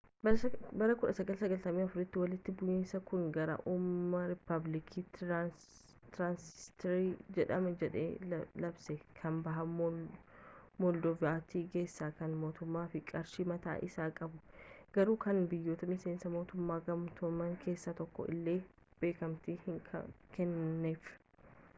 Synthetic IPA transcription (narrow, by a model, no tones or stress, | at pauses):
bbɐɾɐkʊᶑɐsɐɡɐlsɐɡɐlt̪ɐmiːɐfʊɾɪt̪ːɪwɐlɪt̪ːɪbʊjɪnsɐkʊnɡɐɾɐ̰ʔumːɐɾɪpːɐblɪkʰiːt | t̪ɾaːnsɪ̥st̪ɛɾiːd͡ʒɛᶑɐmɐd͡ʒɛᶑḛːlɐbsɛkʰɐmbɐɦɐ | mɔld̪ɔvaːt̪iːke̞ːsːaːkɐnmo̞ːt̪ʊmːaːfɪkʼɐɾʃimɐt̪a̰ːʔɪsaːkʼɐbʊɡ̥ɐɾuːkɐnbɪjːo̞ːt̪ɐmɪseːnsɐmo̞ːt̪ʊmːaːɡɐmt̪ʊmːɐŋkʰe̞ːsːaːt̪ɔkːɔ̰ʔɪ̰lːe̞ː | b̥e̞ːkɐmt̪ɪhɪkʰkɛnːeːf